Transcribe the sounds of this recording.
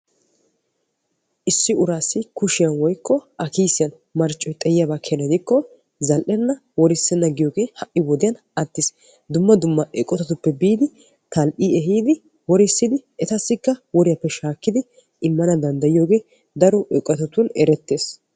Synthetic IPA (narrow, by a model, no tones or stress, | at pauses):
ʔɪsːɪʊɾaːsːɪkʊʃɪjɐnwɔjkːɔɐkiːsːɪjɐn | mɐɾt͡ʃʼːɔjt̪ʼɐjɪjabakʰɛnɐd̪ɪkːɔ | zɐlʔɛnːɐ | wɔɾɪsːɛnːɐɡɪjoːɡe̞ːhɐʔːɪwɔd̪ɪjɐn | ɐt̪ːɪs | d̪ʊmːɐd̪ʊmːɐʔɛkʼːɔt̪ɐt̪ʊpːɛbiːd̪ɪ | t̪ɐlʔiːɛɦiːd̪ɪ | wɔɾɪsːɪd̪ɪɛt̪ɐsːɪkːɐwɔɾɪjɐpːɛʃaːkːɪd̪ɪ | ʔɪmːɐnɐd̪ɐnd̪ɐjɪjo̞ːɡe̞ː | d̪ɐɾɔʔɛkʼːɔt̪ɐt̪ʊnɛɾɛt̪ːe̞ːs